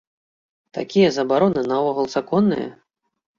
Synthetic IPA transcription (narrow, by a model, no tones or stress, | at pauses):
t̪a̰kʲijɐzɐbaɾɔnɨnɐvɔɣɐlˠsakɔnːɨ̰jɐ̰